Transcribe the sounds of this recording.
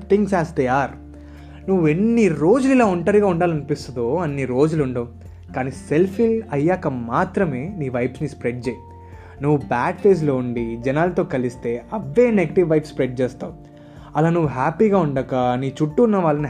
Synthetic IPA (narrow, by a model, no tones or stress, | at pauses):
t̪iŋɡsaːst̪ejaːɾ | nuʋːue̞nːiɾo̞ːd͡ʒulilaːuɳʈɐɾiɡaːuɳɖaːlɐnipist̪und̪oːɐnːiɾo̞ːd͡ʒuluɳɖoː | kaːniːse̞lpʰilɐjːaːkɐmaːt̪ɾɐme̞ːniːʋɐjpsnispɾeɖ̚d͡ʒeːji | nuʋːubaːɖfeːs̬loːuɳɖid͡ʒɛnaːlɐt̪o̞ːkɐlist̪e̞ːɐʋːe̞ːneɡɐʈiʋːɐjpspɾeɖ̚t͡ʃɛːst̪a̰ːwu | ɐlaːnuʋːuɦaːpiːɡaːuɳɖɐkɐniːt͡ʃuʈːuːnːɐʋaːɭːɐni